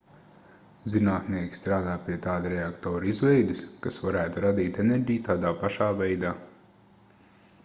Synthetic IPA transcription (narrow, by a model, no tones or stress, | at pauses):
zinaːt̪niɛkʲi̥st̪ɾaːd̪aːpiɛt̪aːd̪ɾɛakt̪ɔːɾizvɛjd̪ɪskasvaɾæːt̪uɾad̪iːt̪ɛnɛɾʲɟijt̪aːd̪aːpaʃaːvɛjd̪aː